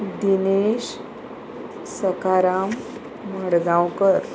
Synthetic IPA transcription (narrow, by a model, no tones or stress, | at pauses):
d̪ineɕ | səkaɾamː | əɽɡãwkəɾ